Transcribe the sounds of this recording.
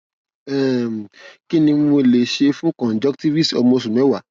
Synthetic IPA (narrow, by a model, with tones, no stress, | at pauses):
ɛ˨m˨ki˦nĩ˧mo˧˨le˨ʃe˧fũ˦kɔ̃˨n˨d͡ʒɔ˦kti˦vi˦stɔ˧mo˧s̬ũ˨ñ˨˦ɛ˦wa˨